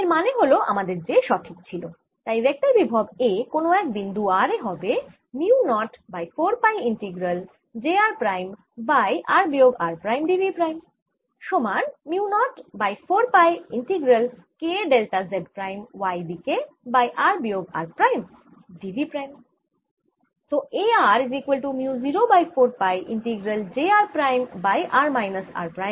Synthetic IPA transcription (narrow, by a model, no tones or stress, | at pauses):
eɾmaneɦoloʔa̰mad̪eɾd͡ʑeʃɔʈʰik̚t͡ɕʰilo | t̪ajbek̚ʈ̪aɾbibʱɔbekonoɛk̚d̪ind̪uaɾeɦɔbe | miunɔʈbajfoɾpajiɳʈiɡɾal | d͡ʑeaɾpɾajm | bajʔaɾbioɡaɾpɾajmɖibipɾajm | ʃomaɾmiunɔʈbajfʰoɾpajiɳʈiɡɾəlkeɖelʈazeɖpɾajmʋajdike | bajʔaɾbijoːɡa̰ːɾpɾajm | ɖiʋipɾajm | soʔeaːɾizikwəlʈumjuziɾobajfʰoɾpajʔḭɳʈiɡɾəld͡ʒeaɾpɾajmbajʔaɾmajnəsa̰ɾpɾajm